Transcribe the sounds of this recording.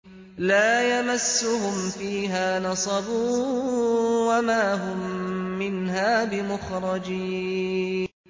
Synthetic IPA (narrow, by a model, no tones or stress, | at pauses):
laːjamasːʊhʊmfiːɦaːnɑsˤɑbuː | wamaːɦʊmːɪnɦaːbɪmʊxɾˤɑd͡ʒiː | n